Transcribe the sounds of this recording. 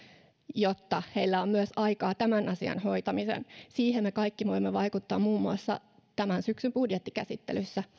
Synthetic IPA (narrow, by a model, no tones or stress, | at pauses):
jot̪ːɑhe̞ilːæommyøsɑjkɑːt̪æmænɑsiɑ̰nho̞jt̪ɑmisḛnsiːɦemmekɑikːiʋo̞imːeʋɑjkut̪ːɑːmmuːmːuɑsːɑ̰ | t̪æmænsyksymbudjet̪ːikæsit̪ːḛlysːæ